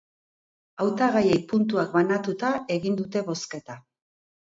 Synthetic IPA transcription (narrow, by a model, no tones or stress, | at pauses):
awt̪aɣaje̞jpunt̪uak̚banat̪ut̪ae̞ɣind̪ut̪e̞βo̞ske̞t̪a